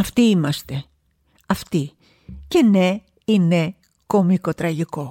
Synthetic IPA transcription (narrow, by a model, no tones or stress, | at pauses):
ɐft̪iimast̪e | aft̪i | kene | ine | komikot̪ɾaʝiko